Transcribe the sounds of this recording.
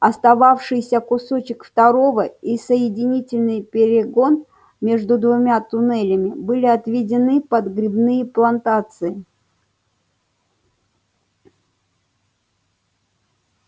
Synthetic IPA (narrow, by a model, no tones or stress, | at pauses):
ɐst̪ɐvafʂɨjsʲəkʊso̞t͡ɕɪkft̪ɐɾo̞vəisəjɪdʲɪnʲitʲɪlʲnɨjpʲɪɾʲɪɡo̞n | mʲe̞ʐd̪ʊd̪vʊmʲat̪ʊnɛlʲəmʲɪbɨlʲiɐt̪vʲɪdʲɪnɨpəd̪ɡɾʲɪbnɨjəplˠɐnt̪at̪sɨɪ